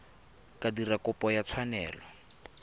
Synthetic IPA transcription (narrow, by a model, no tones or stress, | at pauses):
kadirakʊpʼɔjat͡sʰwanɛːlɔ